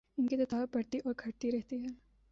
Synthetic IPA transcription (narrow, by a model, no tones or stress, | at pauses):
ɪnkit̪ɐt̪ʰapɐɽt̪iʔɔːɾɡʰʱɐɽt̪iɾɛɦt̪iɦɛː